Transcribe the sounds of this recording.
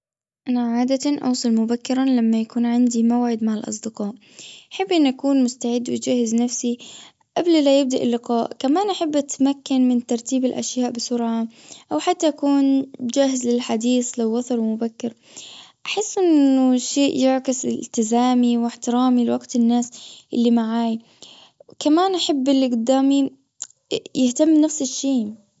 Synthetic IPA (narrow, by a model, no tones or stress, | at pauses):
ʔanaʕaːd̪at̪aʔɑ̰wsˤɨlmʊbakːɪɾˤanlamːajakuːnʕɪnd̪imawʕɪd̪maʕɪlʔɑ̰sˤd̪ɪqɑːʔ | ʔaħabːʔɪnːʔakuːnmʊst̪aʕɪd̪ːwɪd͡ʒahːɪznafsi | ʔablilajɪb̚d̪aʔɪlːɪqɑːʔkamaːnʔaħabːʔat̪makːanmɪnt̪ɑɾˤt̪iːbɪlʔa̰ʃjaːʔbɪsʊɾʕaʔawħat̪ːaʔakuːnd͡ʒaːɦɪzlɪlħad̪iːslawːɑθˤɑɾˤwɪmʊbakːɪɾ | ʔaħɪsːʔɪnːʊʃeːʔjɪʕkɪslt̪ɪzaːmiwɪħt̪ɪɾɑːmilwaɡt̪ɪnːaːsʔɪlːimaʕaːj | kamaːnʔaħabːɪlːʔɪɡd̪ːaːmi | jɪht̪amːnafsɪʃːiː